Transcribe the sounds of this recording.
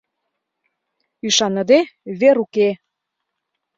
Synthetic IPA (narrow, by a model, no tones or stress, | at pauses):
yʃɑnə̆d̪eβeɾuke